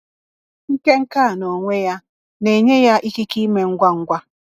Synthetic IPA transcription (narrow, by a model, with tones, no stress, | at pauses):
ŋ̩˦ke˦ŋ̩˦ka˦˨no˨ŋʷe˦ja˦ | ne˨ɲe˦ja˦ʔi˦ki˦ki˦me˦ŋ̩˦ɡʷa˦ŋ̩˦ɡʷa˦